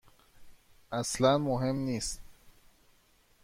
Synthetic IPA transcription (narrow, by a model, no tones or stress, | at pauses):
aslanmoɦemnis